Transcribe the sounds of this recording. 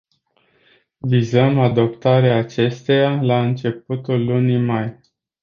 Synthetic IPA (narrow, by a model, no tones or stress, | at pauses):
vizəmad̪o̞pt̪aɾeaːt͡ʃe̞st̪e̞jalaɨnt͡ʃe̞p̚ut̪ulːunimaj